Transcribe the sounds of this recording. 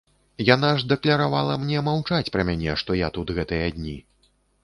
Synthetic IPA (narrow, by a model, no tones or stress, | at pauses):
janaʐd̪ɛklʲɐɾavalˠɐmnʲɛmawt͡ʂat͡sʲpɾɐmʲanʲɛʂt̪ɔjat̪ut̪ɣɛt̪ɨjɐd̪ʲnʲi